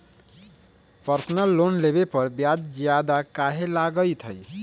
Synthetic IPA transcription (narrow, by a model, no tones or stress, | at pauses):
pəɾsnəlːonlebepəɾbjad͡ʒd͡ʒjad̪akaɦelaɡət̪ʰəj